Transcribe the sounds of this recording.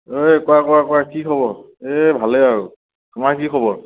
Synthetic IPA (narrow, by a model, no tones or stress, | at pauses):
ojkɔwakɔakʊwakikʰɔbɔɹ | ebʱalɛaɹu | tʰumaɹkikʰɔbɔɹ